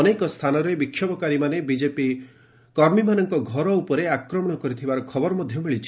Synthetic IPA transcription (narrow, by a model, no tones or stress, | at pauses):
ɔnekɔst̪ʰanɔɾebikʰjɔbɔkaɾimanebid͡ʒepi | kɔɾmimanɔŋkɔɡʱɔɾɔupɔɾeakɾɔmɔɽ̃ɔkɔɾit̪ʰibaɾɔkʰɔbɔɾɔmɔd̪ʱjɔmeɭit͡ʃʰi̥